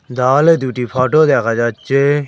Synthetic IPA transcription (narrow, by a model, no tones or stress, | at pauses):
d̪aːled̪uʈipʰaːʈod̪ekad͡ʒat͡ʃːe